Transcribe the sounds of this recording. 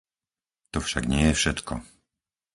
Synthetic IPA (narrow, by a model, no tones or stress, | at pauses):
t̪ɔfʃaɡɲɪɛjɛfʃɛt̪kɔ